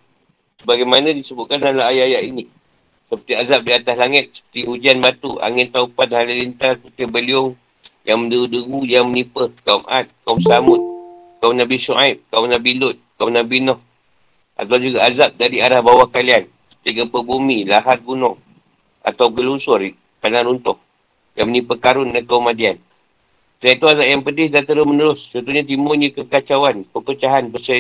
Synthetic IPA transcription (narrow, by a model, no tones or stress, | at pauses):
səbaɡajmanãdisəbʊt̪̚kanalaɦajjaʔini | səpərt̪iazap̚diat̪aslaŋət̪̚sə̥pə̥t̪iɦud͡ʒanbat̪uʔa̰ŋɪnt̪aupat̪̚haləlint̪asəpət̪ibəliʊŋ | jaŋməndəɣudəɣujaŋmənipəhkaumʔa̰t̪̚kamsamʊt̪̚ | kawnabisuʔaip̚kawnabilʊt̪̚kawnabinɔh | ʔa̰t̪awd͡ʒuɡaazap̚dadiaɾahbawahkalian | ət̪iɡapəbumĩlaɦat̪̚ɡunɔŋ | ʔa̰t̪awɡəlunsʊr | kanãɾunt̪ɔh | jaŋmənĩpəkaɾʊnːakaumadian | sajat̪uazap̚jaŋpədɪhdat̪əɾʊsmənəɾʊst͡ʃənt̪uɲat̪̬imʊɲakəkat͡ʃawanpəkət͡ʃaɦanbəsə